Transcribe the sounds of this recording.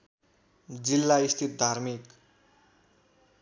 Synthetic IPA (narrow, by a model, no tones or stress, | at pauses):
d͡zilːaist̪ʰit̪̚d̪ʱaɾmik